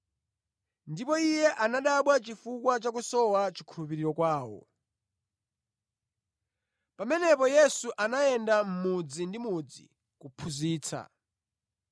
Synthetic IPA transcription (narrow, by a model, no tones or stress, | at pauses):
ndipɔijɛʔanaɗaɓwat͡ʃifukwat͡ʃak̬usɔwat͡ʃi̥kʰulupiɾiɾɔkwaːwɔ̰ | pamɛnɛpɔjɛsuʔanaɛndam̩mud͡zindimud͡zḭ | kupʰuziːt͡sʰa̰